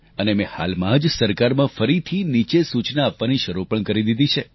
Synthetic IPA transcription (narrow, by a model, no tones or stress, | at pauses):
ənemẽha̰lmãd͡ʒsəɾkaɾmãfəɾit̪ʰinit͡ʃesut͡ʃnaːpʋaniʃəɾupəɳkəɾid̪id̪it͡ʃʰe